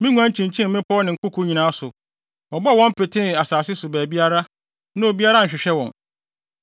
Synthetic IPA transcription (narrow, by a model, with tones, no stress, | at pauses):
mɪ̃˦ŋũ˦ã˦ɲ˦t͡ɕʰĩ˨ɲ˨t͡ɕʰĩ˦m˦mɪ̃˦pʰɔ˦nɪ̃˨ŋ̩˨kʊ˦kʰu˦ɲĩ˨nãː˨˦sʊ˨ | wɔ˨bɔ˦˨wɔ̃˦m̩˦pɪ˨tʰɪ̃˦˨a˨saː˨s̬ɪ˦sʊ˨bæː˨bi˦a˦ɾa˦ | nʊ̃˦o˨bi˦a˦ɾa˦ɲ̩˨ɕᶣɪ˨ɕᶣɛ˦wɔ̃˨n